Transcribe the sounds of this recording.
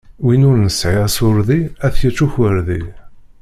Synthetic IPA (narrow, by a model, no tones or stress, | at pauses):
winʊɾnəsʕiæsʊɾðiæθjət͡sːuçwəɾði